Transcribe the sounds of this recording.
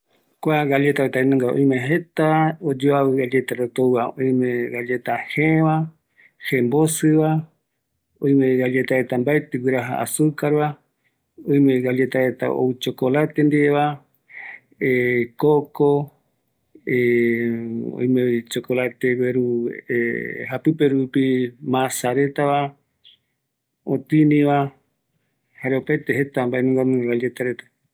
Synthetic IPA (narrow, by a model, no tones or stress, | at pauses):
kʷaɣaʎet̪aet̪aenõŋɡaõ̰j̃mẽɦet̪aod͡ʒoaβɨɣaʎet̪aɾot̪owaõj̃mẽɡalet̪aheβa | hẽmbosɨβa | õj̃mẽɣaʎet̪ahet̪ambaet̪ewʷiɾaɦa̰ʔa̰sukaɾβa | õj̃mẽɡaʎet̪ahet̪a̰o̰wt͡ʃokolat̪end̪eβa | ekoko | e | o̰j̃met͡ʃokolat̪eweɾueɦapɨpeɾupimãsaɾe̞t̪aβa | ot̪ɨnĩβa | haɾeopajt̪eɦe̞t̪ambaenũŋɡamũeɡad͡ʒet̪aɾet̪ḁ